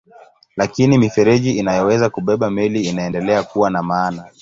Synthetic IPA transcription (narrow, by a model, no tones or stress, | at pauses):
lakinimifɛɾɛʄiinajɔwɛzakuɓɛɓamɛliːnaɛndɛlɛakuwanamaːna